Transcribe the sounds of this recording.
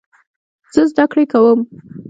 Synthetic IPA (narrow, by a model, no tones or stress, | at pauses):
z̥əzd̪akɽekawəm